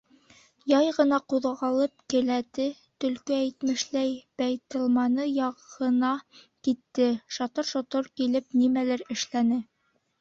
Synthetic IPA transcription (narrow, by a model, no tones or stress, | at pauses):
jɑjʁɤ̆nɑquðʁɑlˠɤp̚kɘ̆læt̪ɘ | t̪ɵ̆lkɵæjt̪mɘ̆ʃlæjbæjt̪ɤ̆lˠmɑnɤjɑʁɤ̆nɑ | kit̪ːɘʃɑt̪ɤɾʃŏt̪oɾkilɘp̚nimælæɾɘ̆ʃlænɘ